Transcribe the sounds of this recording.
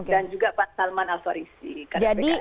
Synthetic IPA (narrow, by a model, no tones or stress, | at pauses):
okedand͡ʒuɡapansalmanasaɾisikad͡ʒadi